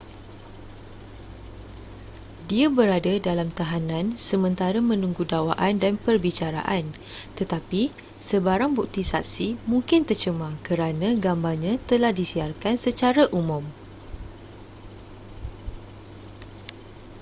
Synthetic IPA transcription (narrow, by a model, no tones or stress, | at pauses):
diabəɾadadalamt̪aɦanãnsəmə̃nt̪aɾamə̃nũŋɡudawaʔandanpərbit͡ʃaɾa̰ʔan | t̪ət̪api | səbaɾaŋbuk̚t̪isa̰k̚simũŋkɪnt̪ərt͡ʃəmãkəɾanãɡambarɲãt̪əlahdisiarkansət͡ʃaɾaʔumʊ̃m